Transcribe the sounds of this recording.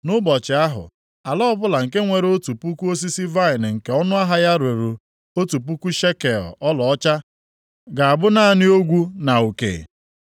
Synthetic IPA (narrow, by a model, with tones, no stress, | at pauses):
nʊ˦bɔ˨t͡ʃɪ˨a˦ɦʊ̰˨ | a˨lɔ˦bʊ˦la˨ŋ̩˨ke˦ŋʷe˨ɾo˦tu˨pu˦ku˦o˦s̬i˦si˦va˦ɪ˨n˨ŋ̩˨ke˨ɔ˦nʊ˦a˦ɦa˦ja˦ɾe˨ɾu˨ | o˦tu˨p̬u˦ku˦ʃe˦ke˨ɔ̰˨ʔɔ˦lɔ˨ɔ˦t͡ʃa˦ | ɡa˨a˨bʊ˦na˦a˨nɪ˦o˦ɡʷu˦na˨u˨kḛ˨